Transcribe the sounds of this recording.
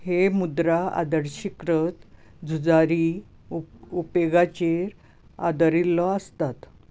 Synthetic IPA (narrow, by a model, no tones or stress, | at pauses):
hemud̪ɾaa̰d̪əɾɕikɾət̪ | d͡zʱud͡zaɾi | upeɡat͡ɕeɾ | a̰d̪əɾilːɔəst̪at̪